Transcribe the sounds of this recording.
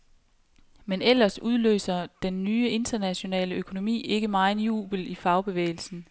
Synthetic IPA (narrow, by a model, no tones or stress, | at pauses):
menel̰ɐsuð̞ˠlø̰ːsɐd̥enːyːəe̝nd̥ɐnæɕo̝nɛ̰ːləøkʰo̝no̝mḭːe̝ɡ̥əmɑ̈ːn̩jṵːb̥l̩ifɑ̈ʊb̥e̝ʋḛːɪl̩sn̩